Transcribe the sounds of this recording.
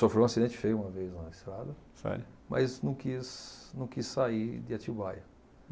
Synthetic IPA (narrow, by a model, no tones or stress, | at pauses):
sofɾew̃ɐsid̪ẽt͡ʃɪ̥fejũmɐvejznɐɪst̪ɾad̪ɐsa̰mɐ̰znɐ̃w̃kiznɐ̃w̃kissaid̪ɪat͡ʃibajɐ